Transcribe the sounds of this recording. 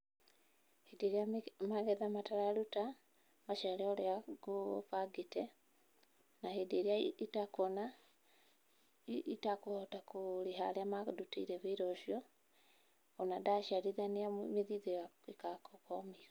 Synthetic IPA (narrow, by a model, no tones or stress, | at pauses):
hedeɾiamaɣɛðamataɾaɾuta | maʃaleɔleaɡufaɡitɛ | nahedeɾiaitakɔna | itakotakuliɦaleamaduteiɾɛβeiɾoʃjɔ | onadaʃiaɾiðaniamiðiðea | ikakokomiɾa